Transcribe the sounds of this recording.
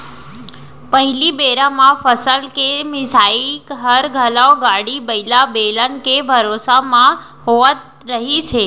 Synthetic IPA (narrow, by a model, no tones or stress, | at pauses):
pəɦilibeɾamãfəsəlkemɪsaikɦəɾɡʱəlaõɡaɽibəilabelənkebʱəɾosamã | ɦoʋət̪ | ɾəɦit͡ʃʰe